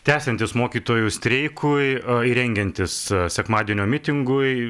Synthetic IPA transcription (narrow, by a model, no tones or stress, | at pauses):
t̪ʲæːsʲɛnʲt̪ʲɪsmoːkʲiːt̪oːjʊsʲt̪ʲɾʲɛɪkʰʊjiɾʲɛŋʲɡʲɛnʲt̪ʲɪssʲɛkmɑːd̪ʲieɛnʲoːmʲɪt̪ʲɪŋɡʊɪ